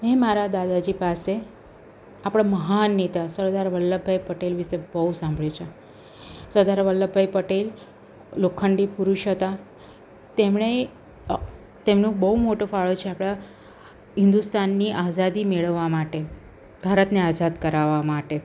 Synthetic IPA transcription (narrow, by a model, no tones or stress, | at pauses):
memaɾad̪ad̪ad͡ʒipase | apɽ̃aməɦanet̪asəɾd̪aɾʋəlːəbʱajpəʈelʋiʃebəɦusãmbʱɭjut͡ʃʰe | səɾd̪aɾʋəlːəbʱajpəʈelː | okʰːəɳɖipuɾuʃɦət̪a | t̪emɳe | t̪emnũbəɦumoʈofaɭot͡ʃʰeapɽ̃a | ɦɪnd̪ust̪anːiʔazad̪imeɭəʋːamaʈe | bʱaɾət̪nead͡ʒad̪kəɾaʋamaʈe